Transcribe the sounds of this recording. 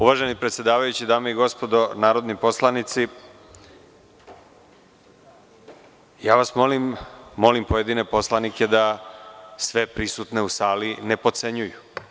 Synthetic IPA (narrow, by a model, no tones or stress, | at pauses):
uʋaːʒenipɾe̞t̪sʲje̞d̪aːʋajut͡ɕid̪aːmeiɡo̞spo̞d̪onaːɾo̞d̪nipo̞slˠanit̪si | jaːʋasmolimːo̞limpoje̞d̪ine̞po̞slˠanike̞d̪a | sʋe̞pɾisut̪ne̞usaːline̞po̞t̪se̞ɲuju